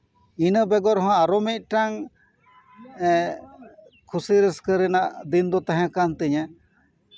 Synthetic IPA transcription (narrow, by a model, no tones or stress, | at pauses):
inəbɛɡɔɾɦɔ̃aɾɔmɛc̪̚ʈaŋ | kʰusiɾɛskəɾɛnaʔd̪ind̪ɔt̪aɦɛ̃kant̪ɛɲɛ